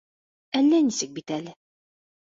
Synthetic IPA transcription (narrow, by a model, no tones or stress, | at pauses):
ælːænisɘk̚bit̪ælɘ